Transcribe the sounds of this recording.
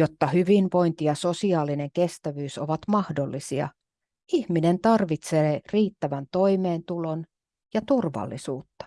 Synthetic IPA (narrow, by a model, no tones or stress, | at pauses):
jot̪ːɑhyʋinʋo̞int̪ijɑso̞siɑːline̞ŋke̞st̪æʋyːsoʋɑt̪mɑhdolːisiɑ̰ | ihminent̪ɑrʋit̪seːriːt̪ːæʋænt̪o̞imeːnt̪ulon | jɑt̪urʋɑ̰lːḭsuːt̪ːɑ̥